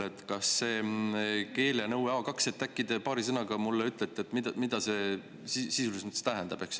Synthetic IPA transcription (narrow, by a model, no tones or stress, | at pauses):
et̪kɑsːe̞ː | ke̞ːlenɤwɑːkɑkset̪ːˑækːˑid̪̥epɑːɾisɤnɑɡ̥ɑmulːeyt̪ːˑlet̪ːˑie̞t̪ːmid̪ɑmid̪̥ɑse̞ | sisisulismɑt̪st̪æɦɛnd̪ɑb̥e̞ks